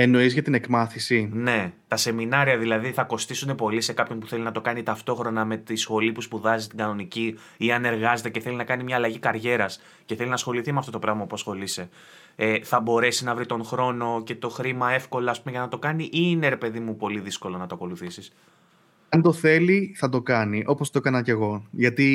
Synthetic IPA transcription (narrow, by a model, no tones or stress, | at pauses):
e̞no̞izʝɐt̪ine̞kmɐθisine̞t̪ɐse̞minɐɾiɐðilɐðiθɐko̞st̪isune̞po̞lise̞kɐpço̞npuθe̞linɐt̪o̞kɐnit̪ɐft̪o̞xɾo̞nɐme̞t̪isxo̞lipuspuðɐzist̪iŋɡɐno̞nici | iɐne̞ɾɣɐze̞t̪eceθe̞linɐkɐnimɲɐːlɐʝikɐɾʝe̞ɾɐs | ceθe̞linɐsxo̞liθimeɐft̪o̞t̪o̞pɾɐɣmɐpuɐsxo̞lise̞ | eθɐbo̞ɾe̞sinɐvɾit̪o̞ŋxɾo̞no̞ce̞t̪o̞xɾimɐe̞fko̞loɐːspumeʝɐnɐt̪okɐniʔine̞ɾe̞pe̞ðimupo̞liðisko̞lo̞nɐt̪oɐko̞luθisis | ɐnd̪o̞θe̞liθɐt̪o̞kɐniʔo̞post̪oekɐnɐce̞ɣo̞ʝɐt̪i